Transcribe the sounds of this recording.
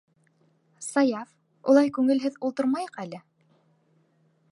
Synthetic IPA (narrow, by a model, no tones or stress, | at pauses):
sɑjɑf | ṵlˠɑjkʉŋɘ̆lɦɘðulˠt̪ɤɾmɑjɤ̆qælɘ